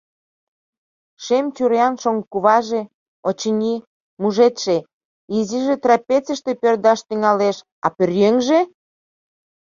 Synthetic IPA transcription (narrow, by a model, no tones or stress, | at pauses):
ʃemt͡ɕuɾeɑnʃoŋkuβɑʒe | ot͡ɕənʲi | muʒet̪ʃe | iziʒet̪rɑpʲet͡səʃt̪epørd̪ɑʃt̪yŋɑleʃ | ɑ̰pørjøŋʒe